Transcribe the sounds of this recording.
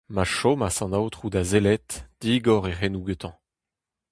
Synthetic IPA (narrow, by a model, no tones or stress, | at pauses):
maʃomasɑ̃nawt̪χud̪azelɛt̪d̥iːɡɔʁeχɛnuɡøt̪ɑ̃